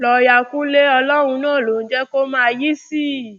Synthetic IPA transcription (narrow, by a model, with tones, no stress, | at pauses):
lɔ˧ja˧kũ˦le˦ɔ˧lɔ˦ɾ̃ũ˧nãː˦˨lo˨n̩˦d͡ʒɛ˦ko˦mãː˦˧ji˦si˦˨